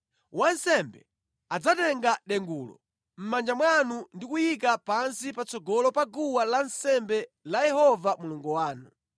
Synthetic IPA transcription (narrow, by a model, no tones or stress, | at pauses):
wansɛmbɛ̰ | ad͡zatɛŋɡaɗɛŋɡuːlɔ̰ | m̩mand͡ʒamwanundikujik̬apansipat͡sɔɡɔlɔpaɡuwalansɛmbɛlajɛhɔvamuluŋɡuwaːnu